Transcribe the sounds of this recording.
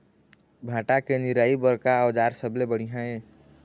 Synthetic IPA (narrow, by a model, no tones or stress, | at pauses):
bʱãːʈakenɪɾaːibəɾkaəwd͡ʒaːɾsəblebəɽ̤iɦãẽː